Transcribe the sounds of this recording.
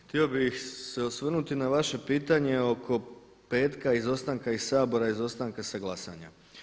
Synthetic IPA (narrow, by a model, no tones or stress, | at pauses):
xt̪io̞bixse̞osʋrnut̪inaʋaʃe̞piːt̪aɲe̞o̞kʰo̞ | pe̞ːt̪kaizo̞st̪aŋkaisaːbo̞ɾaizo̞st̪aŋkasaɡlˠasaɲa̰